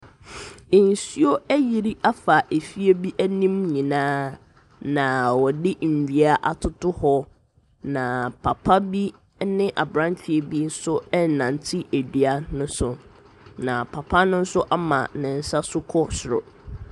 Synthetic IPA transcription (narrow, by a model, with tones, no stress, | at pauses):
ɪ˨n̩˨si˦o˦æ˦ji˨ɾi˦ʔa˦fa˨ʔe˨fi˦e˦bi˦ʔæ˦nĩ˦mɲĩ˨nãː˦ | nã˨wɔ˨dɪ˦m̩˨di˨a˦ʔa˨tʰʊ˦tʊ˦hɔ˦ | nã˨pʰa˨pʰa˦bi˦ | nɪ̃˦ʔa˨bɾã˦ɲ˦t͡ɕᶣɪ˨e˦bi˦n̩˦sʊ˦ɛ˦˨nã˨n˨tʰi˦ʔe˨di˨a˦nʊ̃˦sʊ˨ | nã˨pʰa˨pʰa˦nʊ̃˦n̩˦sʊ˦ʔa˦mã̰˨nɪ̃˨n̩˦sa˦sʊ˦kʰɔ˦sɾɔ̰˨